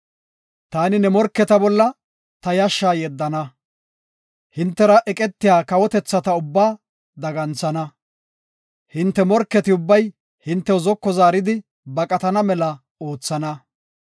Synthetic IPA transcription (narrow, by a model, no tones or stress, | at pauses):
t̪aːnɪnɛmɔɾkːɛt̪ɐbɔlːɐ | t̪ɐjɐʃːaːjɛd̪ːɐnɐ | hɪnt̪ːɛɾɐʔɛkʼɛt̪ːɪjaːkɐwɔt̪ɛt͡sːɐt̪ɐʊbːaː | d̪ɐɡɐnt͡sːɐnɐ | hɪnt̪ːɛmɔɾkːɛt̪ɪʊbːɐj | hɪnt̪ːɛwzɔkːɔzaːɾɪd̪ɪ | bɐkʼɐt̪ɐnɐmɛlɐ | o̞ːt͡sːɐnɐ